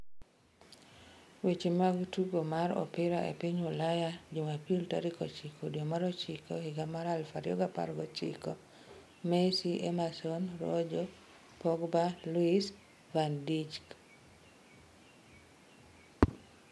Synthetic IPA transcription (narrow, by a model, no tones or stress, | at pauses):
wet͡ʃemaɡtuɡomaɾɔ̰pɪɾaʔḛpiɲʊlajad͡ʒomapiltaɾɪkɔt͡ʃikʰodjomaɾɔt͡ʃikohɪɡamaɾalfaɾjɔɡapa̰ɾɡɔt͡ʃḭko | mesiʔemasɔnɾɔ̰d͡ʒɔ | pɔɡbaluis | vandid͡ʒk